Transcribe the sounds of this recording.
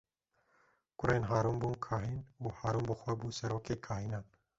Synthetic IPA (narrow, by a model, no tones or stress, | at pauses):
kʷʊɾenɦaːɾumbuːnkʰaːɦinuːhɑːɾumbɨxʷɛbuːsɛɾoːkeːkʰaːhiːnɑːn